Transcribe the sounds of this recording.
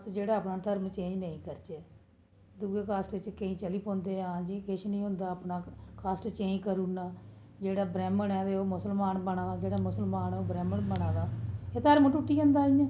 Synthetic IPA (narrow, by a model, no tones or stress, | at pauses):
t̪d͡ʒeːɽaːaːpnaːt̪ʰəɾmt͡ʃẽːd͡ʒnəĩːkəɾt͡ʃeː | d̪uːɡeːkaːsʈɪt͡ʃkəĩːt͡ʃəliːpõːnd̪eːãːd͡ʒiːkɪʃnĩːɦʊ̃nd̪aːəːpnaːkaːsʈt͡ʃẽːd͡ʒkəɾuːnaː | d͡ʒeːɽaːbɾɛːməɳɛːd̪eoːmʊsəlmaːnbəɳaːd͡ʒeːɽaːmʊsəlmaːnɛːoːbɾɛːməɳbəɽaːd̪aːeːt̪ʰəɾmʈuːʈːiːə̃ːnd̪aːiãː